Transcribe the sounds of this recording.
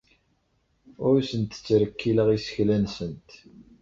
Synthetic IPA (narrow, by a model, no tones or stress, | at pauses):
ʊɾsənt̪ːə̥t͡sːɾəkːiləʁisə̥çlænsənt̪